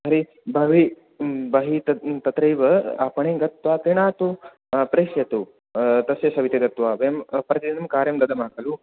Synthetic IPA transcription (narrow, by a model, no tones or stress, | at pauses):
ɐɾi | bʱɐʋi | bɐɦit̪ɐt̪ɐt̪ɾɐjʋɐa̰pɐɳẽːɡɐt̪ʋak̪iɳaːt̪u | pɾeːʃjɐt̪u | t̪ɐsjɐsɐʋit̪eɡɐt̪ʋaːʋɐjɐmpɾɐt̪id͡ʒ̪ɐnɐmkaːɾjɐmd̪ɐd̪ɐmaːkʰɐlu